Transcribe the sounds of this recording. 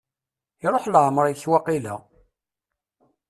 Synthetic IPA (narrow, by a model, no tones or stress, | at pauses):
iɾˤoħlʕmɾˤjçwɑqilæ̰